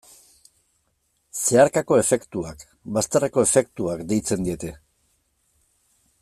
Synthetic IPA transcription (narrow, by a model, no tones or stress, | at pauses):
se̞aɾkako̞e̞fe̞kt̪uak | bast̪areko̞e̞fe̞kt̪uakd̪e̞jt͡se̞nd̪ie̞t̪e̞